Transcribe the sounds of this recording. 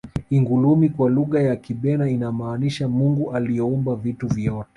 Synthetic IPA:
iŋɡulumikwaluɣajakiɓɛnainamaːniʃamuŋɡuʔaliɔumbavituvjɔtɛ̥

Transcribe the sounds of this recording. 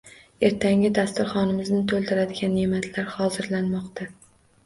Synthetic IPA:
e̞ɾt̪ʰaŋɡʲɪd̪ast̪ɪɾχɒnɪmɪznɪt̪ʰolˠd̪ɪɾad̪ɪɡʲanːe̞mat̪ʰlaɾχɒzɪɾlanmɒqt̪ʰa

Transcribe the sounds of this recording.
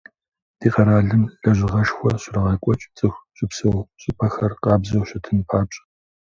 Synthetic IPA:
d̥iːqɐɾaːɮɨmɮɐʑɪʁɐʂxʷɔɕrɐʁɐkʷʼɔt͡ʃʼt͡sʼɨxʷɕʼɪpsɨwɕʼɪpʰʼɐxɐrqɑːbzɐwɕɐtʰɨnpʰaːt͡ʃʼɐ̥

